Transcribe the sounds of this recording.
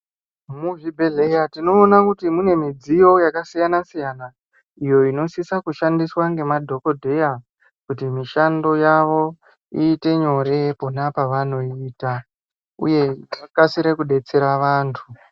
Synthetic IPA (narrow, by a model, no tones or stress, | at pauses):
muʐibʱe̞ɮe̞jatino̞ːnakutimune̞mid͡zijo̞jakasijanasijana | ijo̞ino̞sisakuʃandiswaŋɡe̞madʱo̞ko̞dʱe̞ja | kutimiʃando̞jaʋo̞ | iːte̞ɲo̞ɾe̞ponapaʋano̞iːta | ṵje̞akasiɾe̞kuɗe̞t͡se̞ɾaʋaːntʰu